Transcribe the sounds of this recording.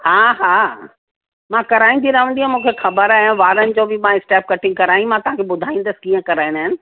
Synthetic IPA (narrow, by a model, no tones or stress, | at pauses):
haːɦaː | mãkɐɾaːĩnd̪ʰiɾɐɦə̃nd̪iɦãmũːkʰexɐbəɾaːɦʋaːɾənɪ̆d͡ʑoːbɪmãɪsʈɛːp̚kɐʈʰɪ̃ŋɡkɐɾaːĩmãt̪ɐʋ̤ãkʰeɓʊd̪ʱaːĩːn̆d̪əsɪ̥kiːə̃kɐɾaːɪ̃naːɦɪnɪ̆